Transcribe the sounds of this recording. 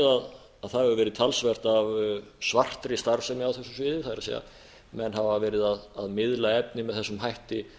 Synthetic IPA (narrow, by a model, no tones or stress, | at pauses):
ðað | aðθaðɛɣʏvɛːɾɪðt̪ʰalsvɛr̥t̪aːvsvar̥t̪ɾɪst̪aɾfsɛmjɛawθɛsʏsvɪːðɪθaðɾasḛja̰ | mɛnːhavavɛːɾɪðaðaðmɪðlaɛp̚nɪmɛðθɛsːʏmɦajht̪ɪ